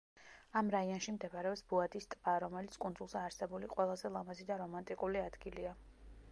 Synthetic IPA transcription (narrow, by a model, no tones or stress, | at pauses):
amɾaiɔnʃimd̪ɛbaɾɛɔpsbuad̪ist̪ʼb̥aɾɔmɛlit̪sʰkʼund̪zulˠzɛaɾsɛbuliqʼwɛlˠazɛlˠamazid̪aɾɔmant̪ʼikʼuliad̪̥ɡilia